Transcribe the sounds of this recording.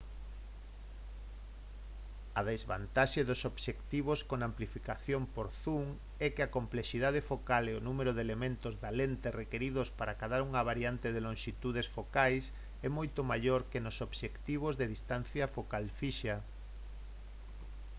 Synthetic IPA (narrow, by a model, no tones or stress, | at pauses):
ɐðezβa̰nt̪aʃeðʊsoβʃekt̪iβ̞oskoŋamplifikaθjompoɾθuŋ | ɛkeakompleʃiðað̞efokaleonumeɾoðelemẽnt̪ozðalent̪erekeɾiðʊspaɾakaðaɾuŋɐβ̞aɾiant̪eðelõŋʃit̪uð̞esfokajs | ɛmojt̪omaʎoɾkenosoβʃekt̪iβ̞ozðeðist̪an̟θjɐfokalfiʃɐ